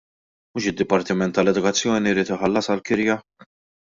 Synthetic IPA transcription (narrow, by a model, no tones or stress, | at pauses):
muːʃɪd̪ːɪpɐɾt̪ɪmɛnt̪ːɐlɛd̪ʊkɐt͡sːjɔːniɾiːt̪ɪħɐlːɐsɐlkɪɾjɐ